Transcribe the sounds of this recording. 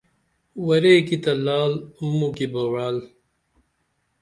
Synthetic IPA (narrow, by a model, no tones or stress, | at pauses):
wɐɾeːkit̪ɐlaːlmukibɐwaːl